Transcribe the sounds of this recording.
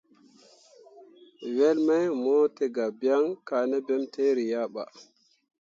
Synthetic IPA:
we˦lma˦jmo˦te˨ɡa˨bja˦ŋka˨ne˦bɛ˦mtʰe˦ɾi˨ja˦ɓa̰˨

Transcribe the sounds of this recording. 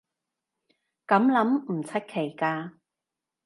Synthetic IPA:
kɐ˨˥mlɐ˨˥mm̩˨˩t͡sʰɐ˥t̚kʰe˨˩jkaː˧

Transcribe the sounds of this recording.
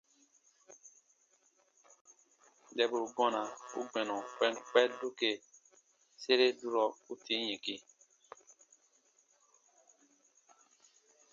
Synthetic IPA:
dɛ˨bu˨ɡɔ̃˦nã˨ṵ˦ɡ͡bɛ̃˨nɔ̃˨k͡pɛ̃˦nk͡pɛ˦du˦ke˨ | se˦ɾe˦du˦ɾɔ˨u˦tʰi˦ɲĩ˨ki˨

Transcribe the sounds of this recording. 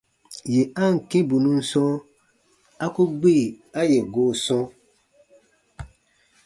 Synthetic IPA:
je˨a˦ŋ̩˨kẽ˦bu˨nũ˦n̩˦sɔ̃˦ | a˦ku˦ɡ͡be˦˨ | a˦je˨ɡoː˨sɔ̃˦

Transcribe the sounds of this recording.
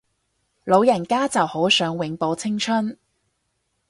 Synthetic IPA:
lo˨˧wjɐ˨˩nkaː˥t͡sɐ˨who˨˥wsœː˨˥ŋwɪ˨˥ŋpo˨˧wt͡sʰɪ˥ŋt͡ʃʰɵ˥n

